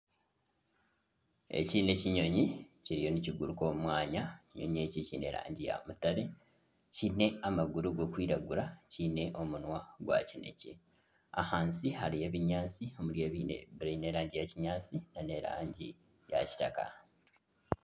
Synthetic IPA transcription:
ḛciːne̞ciɲo̞ɲiciɾijo̞niciɡuɾuko̞ːmumwaːɲaciɲo̞̰ɲe̞ːcicine̞̰ɾa̰ːɲɟija̰mutaɾe̞ | cine̞amaɡuɾuɡo̞kwiːɾaɡuɾacine̞ʔo̞munwaɡwa̰cine̞̰cḛ | a̰haːnsihaɾije̞βiɲaːt͡sio̞muɾjeːβinḛɾne̞ɾaːɲɟijaciɲaːt͡sinane̞ɾa̰ːɲɟi | ja̰ci̥taka̰

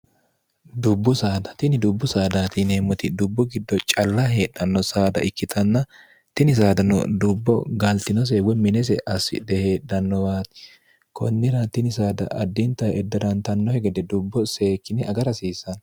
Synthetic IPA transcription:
d̪ʊbːʊsaːd̪ɐ̥t̪ɪnɪd̪ʊbːʊsaːd̪aːt̪ɪneːmːɔt̪ɪd̪ʊbːɔɡɪd̪ːɔt͡ʃʼɐlːɐhe̞ːɗɐnːɔsaːd̪ɐ̰ʔɪkːɪt̪ʰɐnːɐ | t̪ɪnɪs̬aːd̪ɐnʊ̰d̪ʊbːɔɡɐlt̪ɪnɔs̬ewɛmɪnɛs̬ɛʔɐsɪ̰d̪ɛhe̞ːɗɐnːɔbaːt̪ɪ̥ | kɔ̰nːɪɾɐt̪ɪnɪsaːd̪ɐ̰ʔɐd̪ːɪnt̪ːɐɛd̪ːɐd̪ɐnt̪ɐnːɔhɛɡɛd̪ɛd̪ʊbːɔseːkːɪnɛɐɡɐɾɐsiːsːɐn

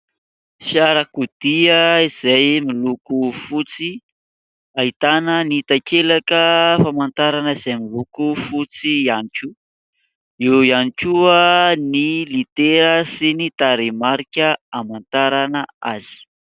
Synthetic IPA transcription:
ʃaɾakud̪̥iəiz̥ajmilukufut͡si | ait̪anənit̪akelakəfamant̪aɾanəiz̥ajmilukufut͡sianiku | iwianikuənilit̪eɾəsinit̪aɾemaɾikʲəamant̪aɾanəa̰z̥i̥

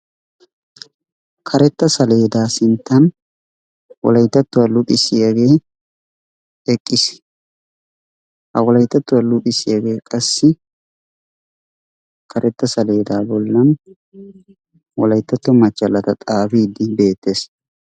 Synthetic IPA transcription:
kʰɐɾɛt̪ːɐsɐle̞ːd̪aːsɪnt̪ːɐn | wɔ̰lɐjt̪ːɐt̪ːʊwɐlʊpʼɪsɪjɐɡe̞ː | ɛkʼːɪs | hɐ̰wɔlɐjt̪ːɐt̪ːʊwɐlʊpʼɪsɪjɐɡe̞ːkʼɐsːɪ | kʰɐɾʔɛt̪ːɐsɐle̞ːd̪aːbɔlːɐn | wɔlɐjt̪ːɐt̪ːɔmɐt͡ʃːɐlːɐt̪ɐt̪ʼaːfiːd̪ɪbe̞ːt̪ːe̞ːs

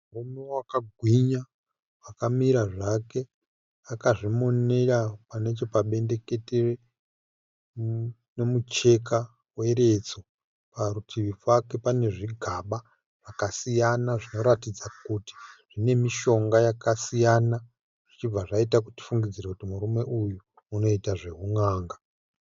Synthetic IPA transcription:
murume̞wakaɡʱwiɲa | wakamiɾaʐake̞ | akaʐimo̞nerapane̞t͡ʃo̞paɓe̞nde̞ke̞tere | nomut͡ʃe̞k̬a | we̞ɾe̞t͡so̞ | paɾutʰiʋivwake̞pane̞ʐiɡʱaɓa | ʐ̥akasijanaʐino̞ɾatid͡zakuti̥ʐ̥ine̞miʃo̞ŋɡajakasijana | ʐ̥it͡ʃib͡vaʐaitak̬uti̥fuŋɡid͡ziɾekutimuɾume̞ʔujuː | no̞itaʐe̞ɦuŋaːŋɡa

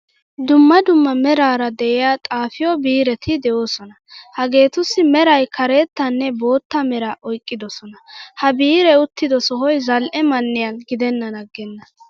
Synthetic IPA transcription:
d̪ʊmːɐd̪ʊmːɐmɛɾaːɾɐd̪ɛʔɪjaːt̪ʼaːfɪjɔbiːɾɛt̪ʰɪd̪ɛʔo̞ːsɔnɐhɐɡe̞ːt̪ʊsːɪmɛɾɐjkʰɐɾeːt̪ːɐnːɛbo̞ːt̪ːɐmɛɾɐʔɔjkʼːɪd̪ɔsɔnɐhɐbiːɾɛʊt̪ːɪd̪ɔsɔɦɔjzɐlʔɛmɐnːɪjɐnɡɪd̪ɛnːɐnɐɡɛnːɐ

